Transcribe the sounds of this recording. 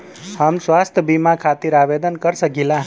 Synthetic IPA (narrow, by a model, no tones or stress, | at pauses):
həmsʋast̪ʰəbimãkʰat̪iɾaʋed̪ənkəɾsəɡilã